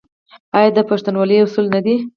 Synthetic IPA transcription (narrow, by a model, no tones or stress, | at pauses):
ɑjɑd̪əpaʂt̪anwɑləjʊsulnad̪i